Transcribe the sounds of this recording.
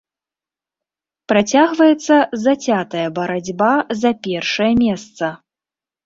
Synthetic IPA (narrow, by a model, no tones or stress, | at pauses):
pɾat͡sʲaɣvɐjɛt̪sːɐzɐt͡sʲat̪ɐjɐbɐɾad͡zʲbazɐpʲɛrʂɐjɐmʲɛst̪sɐ